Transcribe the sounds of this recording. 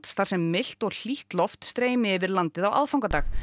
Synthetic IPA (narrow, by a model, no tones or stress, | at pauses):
t̪sθaɾ̥sɛmːɪl̥t̪ɔɣl̥iht̪lɔft̪st̪ɾeːjmɪɛːvɪɾlant̪ɪðawʔa̰ðfawŋkat̪aːx